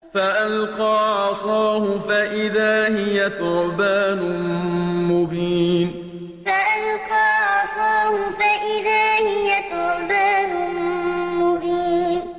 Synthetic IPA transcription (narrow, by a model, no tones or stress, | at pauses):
faʔalqɑːʕɑsˤɑːhʊfaʔɪðaːhɪjatʊɾbaːnʊ | mʊbiːn | faʔalqɑːʕɑsˤɑːhʊfaʔɪðaːhɪjat̪ʊɾbaːnʊ | mʊbiːn